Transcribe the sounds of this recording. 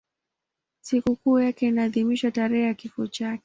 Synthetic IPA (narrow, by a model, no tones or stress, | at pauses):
sikukuːjakɛinaːðimiʃataɾɛhakifɔt͡ʃakɛ̥